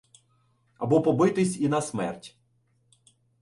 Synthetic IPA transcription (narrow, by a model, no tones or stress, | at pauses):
ɐbɔpɔbɪt̪ɪsʲinɐsmɛ̰rtʲ